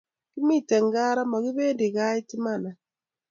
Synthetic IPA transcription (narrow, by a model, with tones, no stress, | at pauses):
ki˦mi˦˨te˨ŋ˨ɡa˦ɾa˦mɔ˨ki˦beː˦ndi˨ka˦i˦ti˦ma˦˨na˨